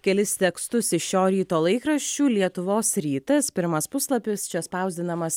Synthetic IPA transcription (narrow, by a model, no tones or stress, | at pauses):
kʲɛlʲɪst̪ʲɛkst̪ʊsɪʃʲoːɾʲiːt̪oːlˠɐɪkɾɐʃʲt͡ʃʲuːlʲiɛt̪ʊʋoːsɾʲiːt̪ɐspʲɪɾmɐspʊslˠɐpʲɪst͡ʃʲɛspɐˑʊzʲd̪ʲɪnɐmɐs